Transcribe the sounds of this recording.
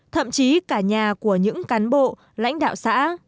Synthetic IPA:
t̪ʰə̰˧˨mt͡ɕi˨˦kaː˧˩ɲaː˨˩ku˧˩əɲɨ̰˧˥ŋkaː˨˦nɓo̰˧˨ | la̰˧˥jŋ̟ɗa̰ː˧˨wsa̰ː˧˥

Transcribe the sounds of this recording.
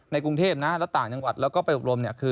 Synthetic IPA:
na˧jku˧ŋt̪ʰeː˥˩p̚na˦˥lɛː˦˥wt̪aː˨˩ŋt͡ɕa˧ŋwa˨˩t̪̚lɛː˦˥kɔː˥˩pa˧jʔo˨˩p̚ɾo˧mni˥˩ɐkʰɯː˧

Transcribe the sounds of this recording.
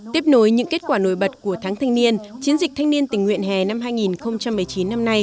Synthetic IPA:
t̪i˦˥əp̚no˨˦jɲɨ̰˧˥ŋke˦˥t̚kwaː˧˩no̰˧˩˨jɓə˨˩t̚ku˧˩ət̪ʰaː˨˦ŋt̪ʰa˧jŋni˧ənt͡ɕi˨˦ənzi˨˩k̟̚t̪ʰa˧ŋni˧ənt̪ï˨˩ŋ̟hw̰ənɦɛ˨˩na˧mhɦaː˧jŋi˨˩nxə˧wŋ͡mt͡ɕa˧mːɨ˨˩əjt͡ɕi˨˦nːa˧mna˧j

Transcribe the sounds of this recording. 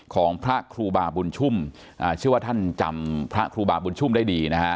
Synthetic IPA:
kʰɔː˩˦ŋpʰɾa˦˥kʰɾuː˧baː˨˩bu˧nt͡ɕʰu˥˩m | ʔaː˨˩t͡ɕʰɯ˥˩əwaː˥˩t̪ʰa˥˩nt͡ɕa˧mpʰɾa˦˥ʔkʰɾuː˧baː˨˩bu˧nt͡ɕʰu˥˩mdaː˥˩jdiː˧na˦˥kʰa˦˥

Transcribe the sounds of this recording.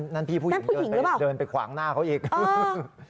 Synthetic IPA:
nna˦˥˩npʰiː˥˩u˥˩na˦˥˩pʰuː˥˩ji˩˦ŋɾɯ˦˧˥paː˨˩dɤː˧npa˧jkʰwa̰ː˩˦ŋnaː˥˩kʰa˦˥wʔiː˨˩k̚ː

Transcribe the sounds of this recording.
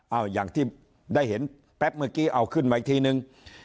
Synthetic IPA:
ʔaː˧˩wjaː˨˩ŋt̪ʰiː˥˩ | daː˥˩jɦe˩˦n | pɛ˦˥p̚mɯ˧kiː˥˩ʔa˧wkʰɯ˥˩nma˧˨˧t̪ʰiː˧nɯ˧ŋ

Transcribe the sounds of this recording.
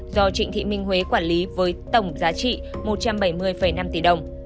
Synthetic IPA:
zɔ˧t͡ɕḭ̈˧˨ŋ̟t̪ʰḭ˧˨mï˧ŋ̟ɦwe˨˦kwaː˧˩nli˨˦vəː˨˦jt̪ə˧˩wŋ͡mzaː˨˦t͡ɕḭ˧˨mo˨˩t̚t͡ɕa˧mɓə˧˩jmɨ˧əjfə˧˩jna˧mt̪i˧˩ɗə˨˩wŋ͡m

